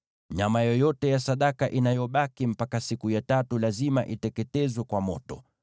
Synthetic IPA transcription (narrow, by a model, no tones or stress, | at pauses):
ɲamajɔjɔtɛjasaɗakaʔinajɔɓakim̩pakasikujatatulazima̰ʔitɛkɛtɛzwɛkwamɔtɔ̰